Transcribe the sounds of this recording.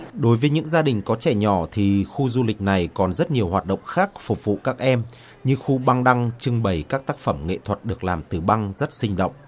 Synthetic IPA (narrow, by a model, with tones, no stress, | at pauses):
ɗo˨˦jvəː˨˦jɲɨ̰˧˥ŋzaː˧ɗï˨˩ŋ̟kɔ˨˦t͡ɕɛ˧˩ɲɔ˧˩t̪ʰi˨˩xu˧zu˧lï˨˩k̟̚na˨˩jkɔ˨˩nzə˦˥t̚ɲi˨˩əwɦwaː˨˩t̚ɗə̰˧˨wŋ͡mxaː˦˥k̚fʊ˨˩k͡p̚vṵ˧˨kaː˦˥k̚ʔɛ˧m | ɲɨ˧xu˧ɓa˧ŋɗa˧ŋt͡ɕɨ˧ŋɓə˨˩jkaː˦˥k̚t̪aː˦˥k̚fə˧˩mŋḛ˧˨t̪ʰwə˨˩t̚ɗɨ˨˩ək̚laː˨˩mt̪ɨ˨˩ɓa˧ŋzə˦˥t̚sï˧ŋ̟ɗo̰˧˨wŋ͡mʔ